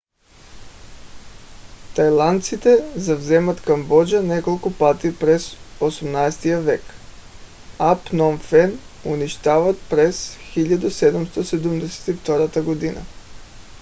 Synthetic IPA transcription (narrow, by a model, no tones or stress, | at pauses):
t̪ajlˠant̪sit̪ɛzavzemat̪kambod͡ʒanekolˠkopat̪ipɾesosamnajst̪iaʋek | apnonfɛnuniʃt̪aʋat̪pɾesxiʎad̪used̪amst̪osed̪umd̪ese̥t̪ift̪oɾat̪aɡod̪ina̰